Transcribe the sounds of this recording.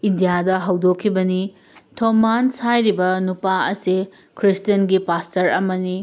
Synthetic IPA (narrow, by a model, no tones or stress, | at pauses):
indijadɐɦɐwdokʰːibɐni | tʰomansajɾibɐnupaɐ̰si | kʰɾistɐnɡipastɐɾɐ̰mɐni